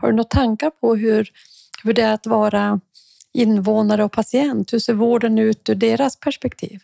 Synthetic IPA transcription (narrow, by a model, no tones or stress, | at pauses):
ha̰ɖɵnɔt̪ʰːaŋkaɾpʰɔɦɵɾ | hɵɖɛæɾat̪vɑːɾa | ɪnːvoːnaɾəɔk̚pʰasɪɛnt̪hɵseːɾvoːɖənʉ̟ːt̪ʉɖeːɾaspʰæʂpɛkt̪ʰḭːv